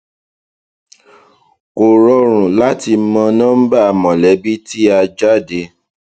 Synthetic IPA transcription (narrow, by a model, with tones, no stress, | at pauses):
ko˨ɾɔ˧˦ɾ̃ũ˨la˦ti˧˦mɔ̃˧nãː˦m̩˦ba˦a˨mɔ̃˨lɛ˨˦bi˦ti˦a˧d͡ʒa˦de˧